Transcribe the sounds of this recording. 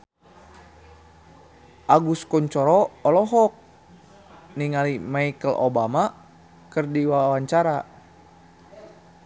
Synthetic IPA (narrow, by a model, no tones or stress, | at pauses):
ʔaɡuskɔɲt͡ʃɔɾɔːlɔɦɔk̚ | niŋalimaikəlʔo̰bama | kərdiwawaɲt͡ʃaɾa